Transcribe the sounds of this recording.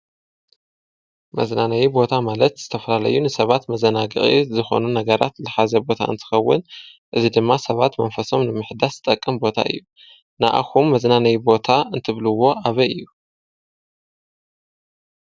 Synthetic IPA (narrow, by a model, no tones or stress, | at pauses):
mɐ̰znanɐjibo̞t̪ʰamalɐt̪z̥ɨt̪ʰɐfɐlalɐ̰jːunɨsɐβat̪mɐzɐnaɡɨ̰χʼizɨxo̞̰nunɐɡɐɾa̰t̪lɨħazɐbo̞t̪ʰa̰ʔɨnt̪ʰɨ̥xɐwːɨ̰nʔɨzid̪ɨmːasɐβat̪mɐnfɐso̞mnɨmɨħd̪aszɨt̪ʼɐkʼːɐmbo̞t̪ʰa̰ʔɨ̰jːu | na̰ʔa̰xumːɐznanɐjibo̞t̪ʰaɨnt̪ʰɨβluwːo̞ʔaβɐʔɨjːu